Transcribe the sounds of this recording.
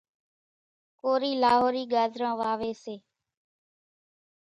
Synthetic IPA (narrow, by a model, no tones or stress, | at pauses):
koːɾiːlaːɦoːɾiːɡaːzʱɾãːʋaːʋeːseː